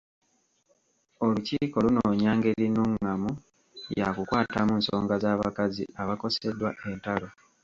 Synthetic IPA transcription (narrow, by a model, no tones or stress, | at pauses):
oluciːko̞lunoɲaːŋɡe̞linuŋːamu | jakukwaːtamuːnsoːŋɡazaːβakaziaβako̞se̞dːwaʔe̞ntalo̞